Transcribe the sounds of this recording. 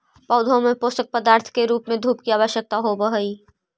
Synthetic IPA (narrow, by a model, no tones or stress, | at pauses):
pɔʊd̪ʱõmẽpoːst̪ək̚pəd̪aːɾt̪ʰkeɾuːpmẽd̪ʱuːpkiaːʋəʃjək̚t̪aɦobəɦəi